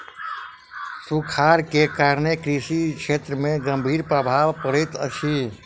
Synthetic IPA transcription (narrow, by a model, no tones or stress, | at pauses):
sukʰaɾkekaɾnekɾisikʰʃʰet̪ɾəmeɡəmbʱiːɾpɾəbʱaʋpəɽɛt̪ə̰t͡ʃʰi